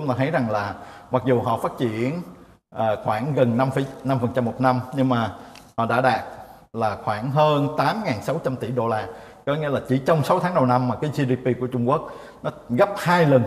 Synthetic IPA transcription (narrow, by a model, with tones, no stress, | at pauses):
t͡ɕʊ˦ŋ͡mt̪aː˧t̪ʰə˨˦jza˨˩ŋlaː˨˩ma˨˩k̚zu˨˩ɦɔ̰˧˨faː˦˥t̚t͡ɕḭ˧˨ən | ʔəː˨˩xwaː˧˩ŋɣə˨˩nːa˧mfna˧mfə˨˩nt͡ɕa˧mːo˨˩t̚na˧mɲɨ˧ŋmaː˨˩hɔ̰˧˨ɗa̰ː˧˥ɗaː˨˩t̚ | laː˨˩xwaː˧˩ŋɦəː˧nt̪aː˨˦mŋaː˨˩nsa˨˦wt͡ɕa˧mt̪i˧˩ɗo˧laː˧ | kɔ˨˦ŋḭ˧əlaː˨˩t͡ɕi˧˩t͡ɕɔ˧wŋ͡msa˨˦wt̪ʰaː˨˦ŋɗə˨˩wna˧mːaː˨˩kaː˨˦jzi˧ɗi˧pi˧ku˧˩ət͡ɕʊ˧ŋ͡mku˦˥ək̚ | nɔ˨˦ɣə˦˥p̚haː˧jlə˨˩n